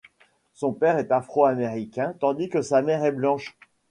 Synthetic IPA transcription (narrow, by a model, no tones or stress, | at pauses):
sɔ̃pɛʁɛt̪afχoameʁikʲɛ̃t̪ɑ̃d̪ikəsamɛʁɛblɑ̃ʃ